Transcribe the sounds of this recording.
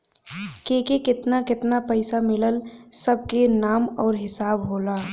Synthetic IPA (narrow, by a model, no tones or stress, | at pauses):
keːkekɪt̪nakɪt̪napəɪsamɪləlsəb̚ʱkenaːmɔːɾɦɪsaːbɦoːlaː